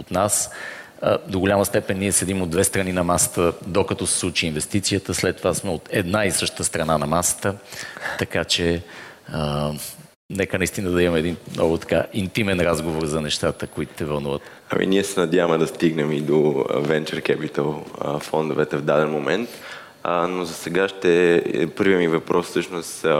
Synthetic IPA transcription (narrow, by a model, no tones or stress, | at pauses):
ot̪nas | d̪oɡʊʎʲaməst̪ɛpɛnːiɛsɛd̪imod̪d̪vɛst̪ɾɐninɐmasə̥t̪əd̪okɐt̪ɔsɛ̥slˠut͡ʃiːnvɛst̪it̪sijət̪əslɛt̪ːovasmɛot̪ɛd̪naisɤʃt̪t̪əst̪ɾɐnanɐmasə̥t̪ət̪ɐkat͡ʃɛ | ə | nɛkənɐist̪inəd̪ɐimɐmɛːd̪inmnʔɔɡʊt̪ɐ̥kaʔint̪imɛnɾazɡovoɾzɐnɛʃt̪at̪əkoit̪ʊ̥t̪ɛvɐlˠnuvət̪ | ɐ̰mḭniɛsɛnɐd̪ʲjavəmɛd̪ɐst̪iɡnɛmid̪ovɛnt͡ʃɛɾkɛpit̪əl̰ˠfɔnd̪ovɛt̪ɛvd̪ad̪ɛnmomɛnt̪ | nozɐsɛɡaʃt̪ɛpɤɾviɐmivɐpɾɔssɤʃnost̪